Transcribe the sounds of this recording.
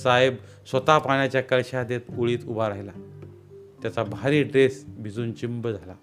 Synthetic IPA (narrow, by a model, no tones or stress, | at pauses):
saeb | sʋət̪apaɳjat͡ɕjakəɭɕad̪et̪uɭiːt̪ubaɾaɦila | t̪jat͡sabʱaɾiːɖɾesbʱid͡zuːnt͡ɕimbəd͡zʱala